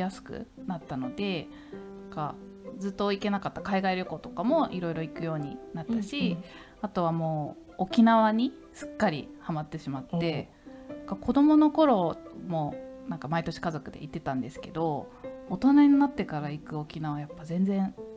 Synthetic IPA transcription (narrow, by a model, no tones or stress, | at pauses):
jasɨ̥kɯ̟̰nat̪ːano̞d̪e̞ | nãŋka̰ | d͡zɨt̪ːo̞ike̞nakat̪ːakaiɡaiɾʲo̞ko̞t̪o̞̥kamo̞ʔiɾo̞iɾo̞ikɯ̟jo̞ːɲ̟ḭnat̪ːaɕi | at̪o̞βamo̞ː | okʲinaβaɲ̟i | sɨ̥kːaɾʲḭhamat̪ːe̞ɕimat̪ːe̞ | nakakʰo̞d̪o̞mo̞no̞ko̞ɾo̞mo̞nãŋkamait̪o̞ɕi̥kazo̞kɯ̟d̪e̞̰ʔit̪ːe̞t̪ãnd̪e̞sɨ̥ke̞d̪o̞ːt̪o̞naɲ̟inat̪ːe̞kaɾaikɯ̟o̞kʲinaβajapːazẽ̞nd͡zẽ̞ɰ̃